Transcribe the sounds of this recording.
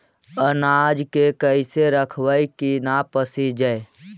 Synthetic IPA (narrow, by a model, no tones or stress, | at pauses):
ənad͡ʒkekəɪseɾəkʰwəjkinapəsid͡ʒae